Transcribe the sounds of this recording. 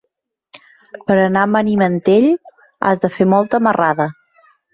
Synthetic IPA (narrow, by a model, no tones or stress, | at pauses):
pəɾənamənimənt̪eʎ | a̰zðəfemɔlˠt̪əməraðə